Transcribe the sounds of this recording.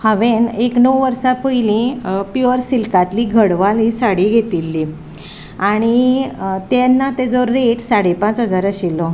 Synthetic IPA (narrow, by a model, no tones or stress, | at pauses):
haʋeneknəwʋəɾsapəilĩpuəɾsilkat̪liːɡʱəɽʋalɦisaɽiɡʱet̪ilːi | aɽ̃it̪ɛnːat̪ed͡zɔːeʈsaɽepãt͡sɦəd͡zaɾəɕilːɔ